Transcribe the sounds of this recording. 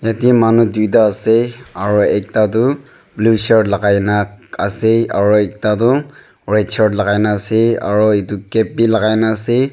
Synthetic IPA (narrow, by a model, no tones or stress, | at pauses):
jatiɛmanudujt̬aːsɛaɹuɛk̚tat̬ʊ | blusaɹdlaɡajnakasɛa̰ɹuɛk̚tat̬ʊ | ɹɛt͡ʃʰɔɹdlaɡajnasɛa̰ɹɔetukɛp̚ːilaɡajnaːsɛ